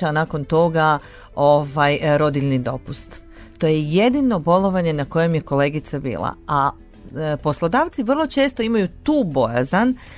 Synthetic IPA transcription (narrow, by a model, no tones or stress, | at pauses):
anaːko̞nt̪o̞ɡa | ovajɾo̞d̪iʎnid̪o̞pust̪ | t̪o̞jeje̞d̪ino̞bo̞lo̞ʋaɲe̞nako̞je̞mje̞ko̞le̞ːɡit̪sabḭːlˠa̰a | po̞slˠo̞d̪aːʋt̪siʋr̩lˠo̞t͡ʃe̞ːst̪o̞imajut̪uːbo̞ja̰zan